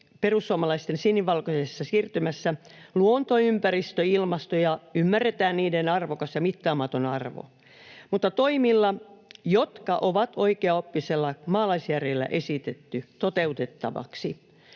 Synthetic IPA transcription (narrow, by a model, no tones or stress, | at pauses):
perusːuɑmɑlɑist̪ensinːiʋʋɑlkosesːɑsiːrt̪ymæsːæluont̪oympæɾist̪øilmɑst̪ojɑymːærːet̪æːnniːdenɑrʋokɑsjɑmit̪ːɑːmɑt̪onɑrʋo̰ | mut̪ːɑt̪oimilːɑjot̪kɑʔoʋɑt̪oikeɑopːiselːɑmɑːlɑisjærelːæ̰ʔesit̪et̪ːyt̪ot̪eut̪et̪ːɑ̰ʋɑ̰ksi